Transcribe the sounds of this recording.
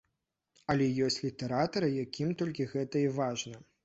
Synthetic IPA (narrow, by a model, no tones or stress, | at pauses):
ɐlʲɛjɔsʲt͡sʲlʲit̪ɛɾat̪ɐɾɨjakʲʰimt̪ɔlʲkʲiɣɛt̪ɐivaʐnɐ